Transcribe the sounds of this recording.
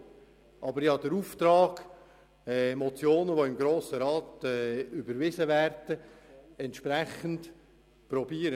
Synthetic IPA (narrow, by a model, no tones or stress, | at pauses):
ʔɑbəɾjɑːd̥əɾuːft̪ɾɑːɡ̥ | ɛmɔt͡sjoːnəʋoɪmɡɾoːsəɾɑːt̪ɛːʏbəɾvɪzəvæːrd̥əɛntʃpɾæχənt | pɾɔbiːəɾə